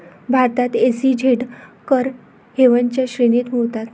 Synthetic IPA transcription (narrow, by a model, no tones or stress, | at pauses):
bʱaɾt̪at̪esid͡ʑʱeʈkəɾ | heʋəɲt͡ɕjaɕɾenit̪moʋt̪at̪